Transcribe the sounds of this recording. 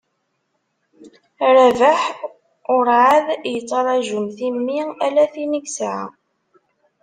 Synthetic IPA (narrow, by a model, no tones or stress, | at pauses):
ɾævəħ | ʊɾʕaðjət͡sˤːɑɾˤɑʒumθimːiælæθiniksʕa̰